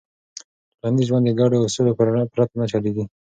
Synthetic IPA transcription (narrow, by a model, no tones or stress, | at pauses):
lɑnd̪izʒwand̪əɡɑɖeasulopɾapɾat̪anat͡ʃɑleɡi